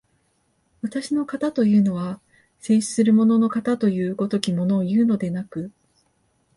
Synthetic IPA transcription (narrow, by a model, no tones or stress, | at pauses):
βat̪aɕino̞kat̪at̪o̞jɯ̟ːno̞βa | se̞ːɕi̥sɨɾɯ̟mo̞no̞no̞kat̪at̪o̞jɯ̟ːɡo̞t̪o̞kʲimo̞no̞ːjɯ̟ːno̞d̪e̞nakɯ̟